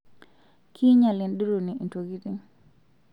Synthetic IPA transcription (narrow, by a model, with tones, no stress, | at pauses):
kʰi˦ɲa˨lɪ˨ndi˦ɾo˨ni˨ʔi˨nto˨ɡi˦ti˦ŋ